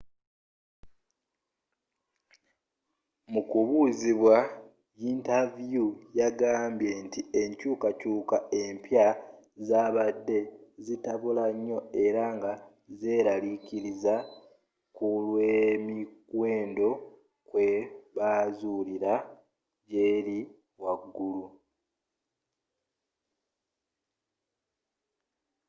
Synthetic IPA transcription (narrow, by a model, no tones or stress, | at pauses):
mukuβuːziβwa | jiːntavjujaɡaːmbje̞ntie̞ɲcuːkacuːkae̞mpja | zaːβadːe̞zitaβulaɲːo̞e̞ɾaŋɡa | ze̞ːɾaliciɾiza | kulwemikwe̞ːndo̞ | kwe̞βaːzuliɾa | ɟe̞ːɾi | waɡːulu